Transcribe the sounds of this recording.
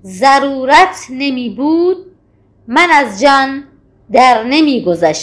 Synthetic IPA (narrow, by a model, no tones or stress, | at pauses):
zæɾuːɾæt̪ʰnemiːbuːd̪̚ | manæzd͡ʒɒn | d̪æɾnemiːɡozaʃ